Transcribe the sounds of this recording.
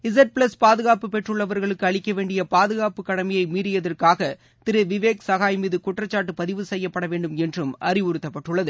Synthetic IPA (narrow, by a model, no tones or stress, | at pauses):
ɪs̬ɐʈ̚pɭɐspaːðɯɣaːpɯpɛʈrɯɭːɐʋɐɾɣɐɭɯkːɯɐɭɪkːɐʋeːɳɖɪjɐpaːðɯɣaːpɯkːɐɽɐmɐjɐɪmiːɾɪjɐðɐrkaːɣɐ | t̪ɪɾɯʋɪʋeːksɐɣaːjmɪðɯkʊʈrɐt͡ʃːaːʈ̬ːɯpɐðɪʋɯsɛjːɐpːɐɽɐʋeːɳɖɯmɛndrɯmʔɐrɪʊɾɯt̪ːɐpːɐʈːɯɭːɐðɯ